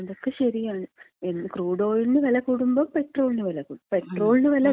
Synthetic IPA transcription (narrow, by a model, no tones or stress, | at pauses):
d̪okːeɕɐɾijaːɳɨ | enːɨkruːɽo̞ːjinɨʋɐlɐkːuːɽumboːpeʈroːlinɨʋɐlɐkːuːɽupeʈroːlnɨʋɐlɐ